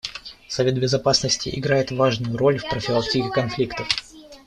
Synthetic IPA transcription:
sɐvʲe̞t̪̚bʲɪzɐpasnəsʲtʲɪ̰ʔɪ̰ɡɾajɪt̪vaʐnʊjʊɾo̞lʲfpɾəfʲɪlˠaktʲikʲɪkɐnflʲikt̪əf

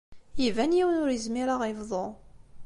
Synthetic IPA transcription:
jivænjiwənʊɾizmiɾaʁivðˤo

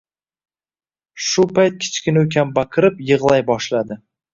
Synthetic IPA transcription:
ʃʊpʰajt̪̚kʲʰɪ̥t͡ʃkʲɪnukʲʰambakʰɨɾɪpjɨʁlˠajbɒʃlad̪ɪ

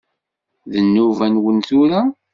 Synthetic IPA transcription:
ðənːuvænwənθʊɾa

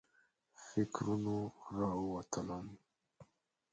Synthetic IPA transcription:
fikɾunuɾauwat̪alam

